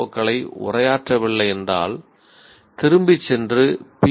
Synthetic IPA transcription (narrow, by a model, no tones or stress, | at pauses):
ɐkːɐɭɐɪʊ̰rɐjaːʈrɐʋɪɭːɐɛnda̰ːl | t̪ɪɾɯmbɪt͡ʃːɛndrɯpi